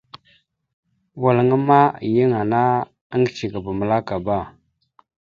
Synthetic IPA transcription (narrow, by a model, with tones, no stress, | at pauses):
wa˨lə˨ŋə˦ma˦˨jə˦ŋa˨na˦ | ə˦ŋɡt͡ʃi˨ɡa˨ba˨mə˨la˦ka˨ba˦˨